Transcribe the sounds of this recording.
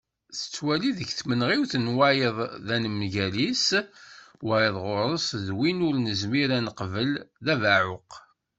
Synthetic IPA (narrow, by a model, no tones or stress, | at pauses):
θə̥t͡sːwæliðəçθmənʁiwθənwæjəðˤðænəmʝælis | wæjəðˤʁʊɾˤəsðwinʊɾnəzmiɾænəqvəlðævaʕʊq